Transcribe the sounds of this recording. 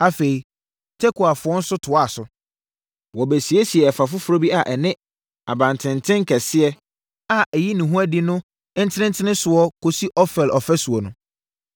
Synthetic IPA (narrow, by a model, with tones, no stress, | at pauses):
a˦fe˨i˨ | tʰɛ˦kʰʊ˨a˨fʊ˨ɔ̃˦n̩˦sʊ˦tʰʊ˨a˦˨sʊ˨ | wɔ˨bæ˨si˨e˦si˨ɛ˨ɛ˨fa˨fʊ˦fʊ˦ɾo˦bi˦a˨ʔɛ˨nɪ̃˦ | a̰˨bã˨n˨tʰɪ̃˨ntʰɪ̃˦ŋ˦kʰɛ˨sɪ˦ɛ˦ | a˨ʔɛ˨ji˦nũ˨ɦũ˦a˦dɪ˦nʊ̃˦ | n̩˦tʰɪ˦ɪ̃˦n˦tʰɪ˦nɪ̃˦sʊ˨ɔ˦kʰo˨si˦ʔɔ˦fɛ˨lʔɔ˨fɛ˦su˨ɔ˨nʊ̃˨˦